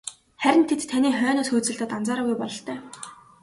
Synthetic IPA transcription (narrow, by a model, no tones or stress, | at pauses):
χæɾʲɪ̆nt̪ʰet̪t̪ʰːaniːχœːnɔːsxuːt͡sɘ̆ɮt̪əːt̪ant͡saːɾaːɣujpɔɮɞ̆ɬt̪œː